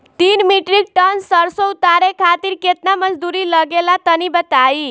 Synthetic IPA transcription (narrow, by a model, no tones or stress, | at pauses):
t̪inmiʈɾik̚ʈʌnsəɾsout̪aɾekʰat̪iɾket̪naməd͡zd̪uɾilʌɡelat̪ənibət̪ai